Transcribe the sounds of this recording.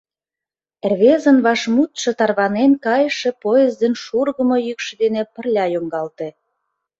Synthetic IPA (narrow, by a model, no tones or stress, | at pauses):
erβezə̆nβɑʃmut̪ʃĕt̪ɑrβɑnenkɑjəʃe̽poezd̪enʃurɣə̆mŏjykʃed̪enepə̆rlʲɑjoŋɡɑlt̪e